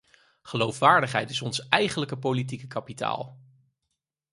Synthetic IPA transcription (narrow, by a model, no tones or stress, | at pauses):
χəlowfʋaːɹdəχɦɛjtɪsɔnsɛjχənləkəpowlit̬ikəkɑpita̰ːlˠ